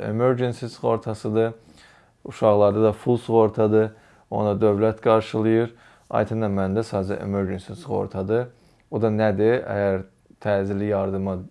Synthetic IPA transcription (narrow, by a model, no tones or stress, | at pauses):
ḛmøɾd͡ʒensisɣo̞ɾt̪ʰɑsɯd̪ɯ | uʃɑʁlˠɑɾd̪ɑd̪ɑfulˠsuɣo̞ɾt̪ʰɑd̪ɯ | o̰nɑd̪ø̞vlæt̪ɡɑɾʃɯlˠɯjɯɾ | ɑ̰jt̪ʰɯnd̪ɑmænd̪æsɑzɛʔḛmøɾd͡ʒensisɣo̞̰ɾt̪ʰɑd̪ɯ | od̪ɑnæd̪iæ̰jæɾ | t̪ʰæːzilijɑɾd̪ɯmɑ